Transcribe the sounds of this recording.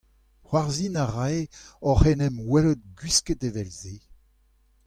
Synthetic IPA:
hwaʁzinaʁajɔχɛnɛmwɛlot̪̚ɡɥisket̪evɛlze

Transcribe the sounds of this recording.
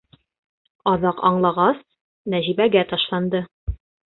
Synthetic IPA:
ɑðɑqɑ̰ɴlˠɑʁɑs | næʑibæɡæt̪ɑʃlˠɑnd̪ɤ

